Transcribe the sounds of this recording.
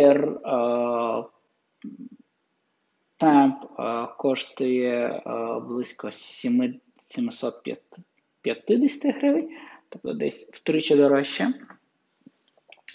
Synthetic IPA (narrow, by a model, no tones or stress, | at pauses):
ɛr | t̪ɛmpkɔʃt̪ʊjɛ | blˠɪsʲkɔsʲimɪ | sʲimɪsɔt̪̚pʲjɐ̰ | pʲjɐt̪ɪd̪ɪsʲjɐ̥t̪ɪxɾɪʋɪnʲt̪ɔp̚t̪ɔd̪ɛ̰sʲwt̪ɾɪt͡ʃɐd̪ɔɾɔʃːɐ